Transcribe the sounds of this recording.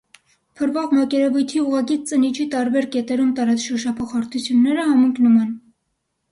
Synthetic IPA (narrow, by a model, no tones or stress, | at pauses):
pʰəɾvɑʁmɑkɛɾɛvujt̪ʰiuʁɑkit͡sənit͡ʃʰit̪ɑɾbɛɾkɛt̪ɛɾumt̪ɑɾɑt͡sʃəɾʃɑpʰɔχɑɾt̪ʰut͡sʰjunːɛɾəhɑməŋknumɛn